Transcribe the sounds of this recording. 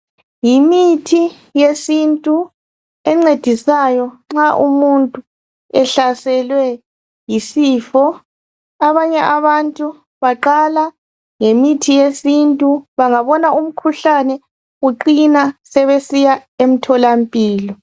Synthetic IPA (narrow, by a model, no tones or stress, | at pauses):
jimitʰi | jesintʼu | ɛŋ͡ǀed̥ʱisajɔŋ͡ǁaʔumuntʼu | ɛɬasɛlwɛ | jisiːfɔ | aβaɲɛʔaβantʼu | βaǃala | ŋemitʰijesintʼuβaŋaβɔnaum̩kʰuɬanɛ | ɣuǃinasɛβesijaem̩tʰɔlampʼiːlɔ